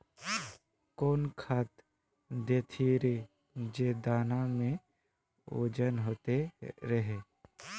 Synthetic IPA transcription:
koːnkʰaːt̪ | d̪eːt̪ʰiɾe | d͡ʒeːd̪aːnamẽ | o̰ːd͡ʒənɦoːt̪eɾəɦeː

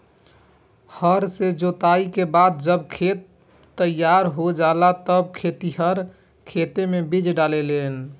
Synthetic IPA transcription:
həɾsed͡ʒot̪aikebad̪̚d͡ʒəbkʰet̪ː | əjːaɾɦod͡ʒalat̪əb̚kʰet̪iɦəɾ | kʰet̪emebid͡ʒɖalelen

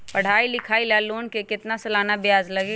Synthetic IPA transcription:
pɐɽ̤aːilɪkʰaːilaloːnkekɪt̪nasɐlaːnabjaːzlɐɡeː

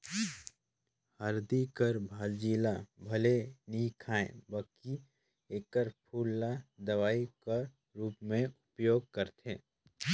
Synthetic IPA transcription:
həɾd̪ikəɾbʱaːld͡ʒiːlabʱɐleniːkʰaːḛ̃bəki | eːkəɾpʰuːlːad̪ɐʋaːika | ɾuːpmẽʊpjoːɡ̚kəɾt̪ʰḛ̃ː

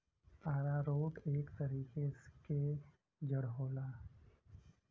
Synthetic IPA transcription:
aːɾaɾoːʈeːkt̪əɾiːkeske | d͡ʒəɽɦoːlaː

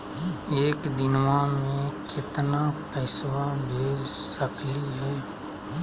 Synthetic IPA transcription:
eːkd̪ɪnʋãmẽkɪt̪napɛːswabʱeːd͡ʒsəkliɦɛː

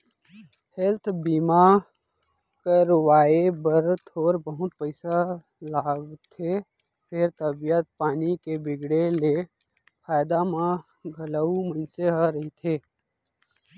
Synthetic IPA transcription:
helt̪ʰbiːma | kəɾwaːebəɾt̪ʰoːɾbəɦʊt̪̚pəɪsa | laːɡt̪ʰe | pʰɪɾt̪əbijət̪̚paːnikebɪɡɽele | fʰaːɪd̪amã | ɡʱələumənseɦaɾəɦit̪ʰeː

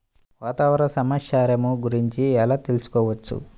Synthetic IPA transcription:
ʋaːt̪aːʋɐɾɐsɐmaʃaːɾɐmuɡuɾiɲt͡ʃiɛlaːt̪e̞lusu̥kɔːʋɐt͡ʃːṵ

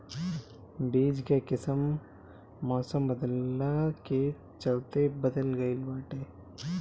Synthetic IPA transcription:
biːd͡ʒkekɪsəmː | ɔːsəmbəd̪lːake | t͡ʃɐlt̪ebɐd̪əlɡɐɪlbaːʈeː

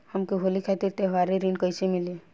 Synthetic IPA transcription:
həmkiɦolikʰat̪iɾt̪eɦʋaɾeɾinkəjsemɪli

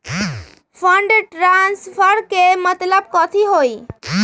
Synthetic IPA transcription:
fʰəɳɖeʈɾanspʰəɾkemət̪ləb̚kɔt̪ʰiɦoi

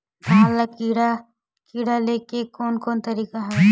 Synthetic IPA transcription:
baɦalakiːɽa | kiːɽaleːkekoːnkoːnt̪ɐɾiːkaɦɛ

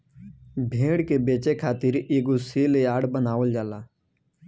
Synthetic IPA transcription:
bʱẽːɽkebeːt͡ʃekʰaːt̪ɪɾeːɡoseːleaːɽbənaːʋəld͡ʒaːlaː

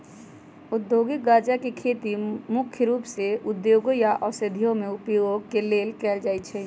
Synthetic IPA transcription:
ʊd̪ːjoɡɪk̚ɡad͡ʒakekʰet̪imʊkʰjəɾuːpseʊd̪joɡojaʔɔsəd̪ʱijõmeʊpjoɡkeleːlkɛːld͡ʒaːjt̪t͡ʃʰɛ

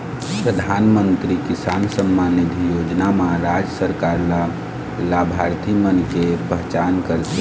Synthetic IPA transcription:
pɾəd̪ʱaːnmənt̪ɾikisaːnsəmːanid̪ʱjod͡ʒnamaɾad͡ʒəsəɾkaːɾla | labʱaɾt̪ʰimənkepəɦt͡ʃaːnkəɾt̪e

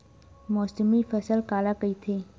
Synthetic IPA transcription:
mɔːsəmifəsəlkaːlakəit̪ʰe

